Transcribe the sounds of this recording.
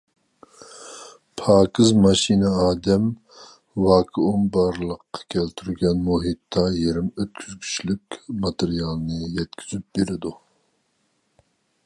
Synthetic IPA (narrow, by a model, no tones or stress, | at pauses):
pʰɑːkʰɨzmɑʃinɨɑːd̪ɛm | wɑːkʰɨumbɑɾlˠəqːɑ̥kʲʰɛlt̪ʰyɾɡʲɛnmuɦit̪ʰːɑjeɾɪmøt̪̚kʲʰyz̥kʲʰy̥t͡ʃlykʲmɑt̪ɨɾijɑlˠnɨjɛt̪kʲʰyzyp̚beɾɪd̪u